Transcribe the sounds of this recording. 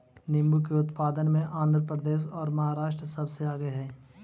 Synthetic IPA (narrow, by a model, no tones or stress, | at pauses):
nɪmbukeʊt̪paːd̪ənmẽʔãːnd̪ʱɾəpɾəd̪eːʃɔːɾmɐɦaːɾaːʃʈɾəsɐbseaːɡəɦɛː